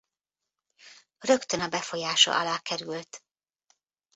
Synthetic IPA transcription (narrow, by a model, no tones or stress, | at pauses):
rø̞kt̪ønɒbɛfo̞jaːʃɒ̰ʔɒlaːkɛɾylt̪